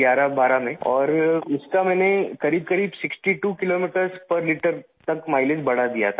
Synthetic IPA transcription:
aːɾabaːɾamẽɔːɾʊskamɛ̃ːnekɐɾiːb̚kɐɾiːbsɪksʈiʈuːkɪloːmiːʈəɾspɐɾlɪʈəɾ | t̪ɐkmaːɪled͡ʒbɐɽ̤ad̪ija̰t̪ʰa

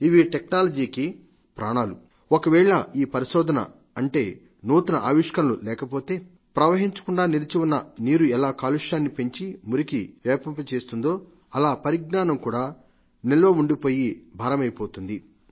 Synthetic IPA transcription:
iʋiʈeknaːlɐd͡ʒiːki | pɾaːɳaːlu | okɐʋɛːɭɐiːpɐɾiʃɔːd̪ʱɐnɐ̰ | ɐɳʈe̞ː | noːt̪unɐʔa̰ːʋiʂkɐnlulɛːkɐpo̞ːt̪e̞ː | pɾɐʋɐɦiɲt͡ʃɐ̥kuɳɖaːniɾɐt͡ʃiwunːɐniːɾuɛlaːkaːluʂaːnːipe̞ɲt͡ʃimuɾikiʋɛːpɐmpɐt͡ʃe̞ːst̪und̪o̞ː | ɐlaːpɐɾiɡ̚naːnɐmkuːɽaː | nilɐʋɐuɳɖipo̞ːjibʱaːɾɐmɐjpo̞ːt̪und̪i

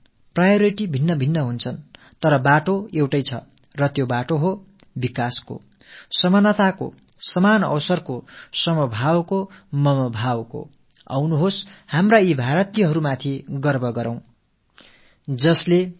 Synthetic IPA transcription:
prajʌɾiʈibʱinːʌbʱinːʌɦunt͡sʰʌn | t̪ʌɾʌbaʈoewʈʌjt͡sʰʌ | rʌt̪jobaʈoɦo | bikasko̰ | sʌmʌnʌt̪ako̰ | sʌmanʌ̰wsʌrkosʌmʌbʱawkomʌmʌbʱawko̰ | a̰wnuɦoshamraibʱaɾʌt̪ijʌɦʌɾumat̪ʰiɡʌrbʱʌɡʌɾãw̃ | d͡zʌsle

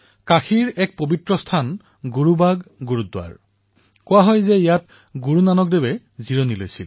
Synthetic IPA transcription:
kaxiɹɛk̚pobitɹɔstʰan | ɡuɹubaɡɡuɹudwa̰ɹ | kowaɦɔjzɛijat̚ | ɡuɹunanɔk̚debɛ | ziɹonilo̰jsil

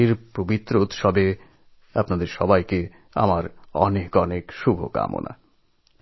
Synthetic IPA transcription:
iɾpɾobit̪ːɾout̪ʃɔbe | apnad̪eɾʃɔ̰bajke | a̰maɾɔnekɔnekʃubʱo̰ka̰mo̰nʔa̰

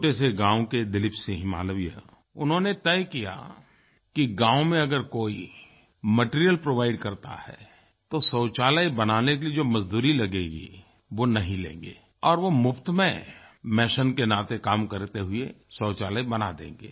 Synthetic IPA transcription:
oʈeseɡãːoked̪ɪlɪpseɦɪ̃ma̰ːləʋija̰ | ʊnɦõːnet̪ɛjkija̰ | kiɡãːõmẽɐɡəɾkoːi | məʈiɾijəlpɾoːʋaːɪɖkɐɾt̪a̰hɛ̰ː | t̪osəʊt͡ʃaːləjbɐnaːnekelid͡ʒoːmɐzd̪uːɾilɐɡeːɡḭ | ʋonɐɦĩlḛ̃ːŋɡḛː | ɔːɾʋomʊpʰt̪mẽmɛːʃənkenaːt̪ekaːmkɐɾt̪eɦʊesəʊt͡ʃaːləjbɐnad̪ḛ̃ːŋɡḛː

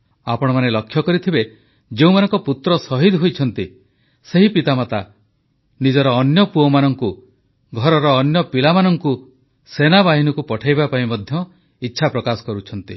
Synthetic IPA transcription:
apɔɽ̃ɔmanelɔkʰːjɔkɔɾit̪ʰibe | d͡ʒeũmanɔŋkɔput̪ɾɔsɔɦid̪ɦojt͡ʃʰɔn̪t̪i | seɦipit̪amat̪a̰ | nid͡ʒɔɾɔːnjɔpuɔmanɔŋku | ɡʱɔɾɔɾɔːnjɔpilamanɔŋku | senabaɦinɔkupɔʈʰajbapaĩmɔd̪ʱjɔ | itːʃʰapɾɔkasɔ̥kɔɾut͡ʃʰɔnt̪i

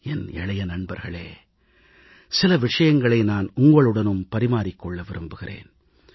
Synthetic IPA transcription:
ɛnɛ̰ɭɐjɐnɐɳbɐɾɣɐɭeː | sɪlɐʋɪʂɐjɐŋɡɐɭɐɪnaːnʊŋɡɐɭɯɽɐnɯmpɐɾɪmaːɾɪkːɔɭːɐʋɪɾɯmbɯɣɪrḛːn

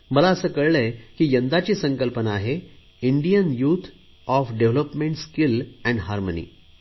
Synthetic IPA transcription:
məlaəsəːkəɭlekiːjənd̪at͡ɕiːsəŋkəlpənaːɦe | iɳɖijənjuːt̪ʰ | ɔfɖeʋləpmẽɳʈskilɛ̃ɳɖɦaɾmənḭː

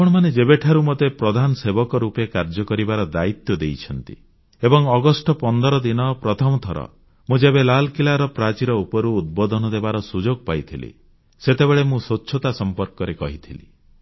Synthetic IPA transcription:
pɔɽ̃ɔmaned͡ʒebeʈʰaɾumot̪epɾɔd̪ʱanɔsebɔkɔɾupekaɾd͡ʒɔkɔɾibaɾɔd̪ait̪jɔd̪ejt͡ʃʰɔnt̪ḭ | ebɔŋɔɡɔsʈɔpɔnd̪ɔɾɔd̪inɔpɾɔt̪ʰɔmɔt̪ʰɔɾɔ̰ | mũd͡ʒebelalkilaɾɔpɾat͡ʃiɾɔupɔɾuːd̪̚bɔd̪ʱɔnɔd̪ebaɾɔsud͡ʒoɡ̚pajt̪ʰilḭ | set̪ebeɭemũsotːʃʰɔt̪asɔmpɔɾkɔɾekɔɦit̪ʰilḭ

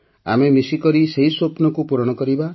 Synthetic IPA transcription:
a̰memisikɔɾiseɦisopnɔkupuɾɔɽ̃ɔkɔɾiba

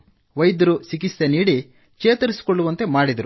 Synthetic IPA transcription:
ʋɐjd̪ɐɾusik̬isːeniːɽi | t͡ʃeːt̪ɐɾisi̥koɭːuʋɐnt̪e̞maːɽid̪ɐɾu

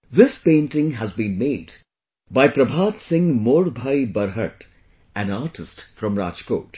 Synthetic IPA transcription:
d̪ɪspẽːnʈɪ̃ŋɦæzbĩːnmeːɖ | baɪpɾɐbʱaːt̪sɪ̃ŋmoːɾbʱaɪbʌɾɦəʈ | æ̃naːɾʈɪsʈfɾʌ̃mɾa̰ːt͡ʃko̰ːʈ

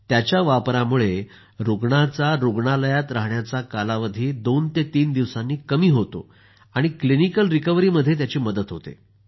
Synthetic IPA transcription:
t̪jat͡ɕjaʋapɾamuɭe | ɾuɡɳat͡saɾuɡɳaləjat̪ɾaɦɳjat͡sakalaʋəd̪ʱiːd̪ont̪et̪iːnd̪iʋsãnːiːkəmiːɦot̪o̰ | aɽ̃iklinikəlɾikəʋɾiːməd̪ʱjet̪jat͡ɕiːməd̪ət̪ɦot̪ḛ

